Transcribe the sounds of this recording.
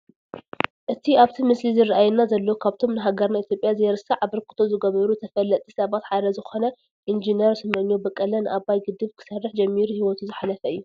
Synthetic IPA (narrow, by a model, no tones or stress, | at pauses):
ʔɨt̪ʰiaβt̪ʰimɨslizɨrɨʔajɛnːazɐlːokʰaβt̪ʰo̞mnɨɦaɡɐɾnait̪ʰʲjopʼjazɐjɛɾɨsɐʕaβɨɾkʰɨ̥t̪ʰo̞zɨɡɐβɐɾut̪ʰɐfɐlːɐt̪ʼisɐβat̪ħad̪ɐzɨxo̞nɐ | ʔind͡ʒineɾsɨmɨʔɨnjobɐkʼːɐlɐnɨʔaβajɡɨd̪ɨβkʰɨ̥sɐrːɨħd͡ʒɐmːiɾuhiwɔt̪ʰuzɨħanɐfɐɨjːu